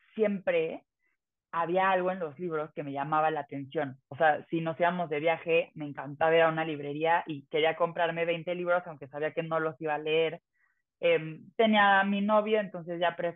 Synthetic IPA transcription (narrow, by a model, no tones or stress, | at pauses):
sje̞mpɾe̞ | aβ̞iaalɣo̞enlo̞zliβ̞ɾo̞ske̞me̞ʝamaβalaːt̪e̞nsjo̞nose̞asino̞siβamo̞zðe̞β̞jaxe̞me̞ːŋkant̪aβeɾaunaliβ̞ɾe̞ɾiaʔike̞ɾiako̞mpɾaɾme̞βe̞jnt̪e̞liβ̞ɾo̞sawŋke̞saβiake̞no̞lo̞siβaleeɾ | emt̪e̞niamino̞βjoent̪o̞nse̞zʝapɾe